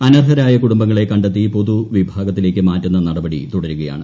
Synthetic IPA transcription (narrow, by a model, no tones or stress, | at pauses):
ɐnɐrɦɐɾaːjɐkuɽumbɐŋːɐɭekɐɳɖɐt̪ːipo̞ðuʋibʱaːɡɐt̪ːile̞ːk̬ʲːɨmaːtːunːɐnɐɽɐbɐɽḭt̪uɽɐɾuɣɐja̰ːɳɨ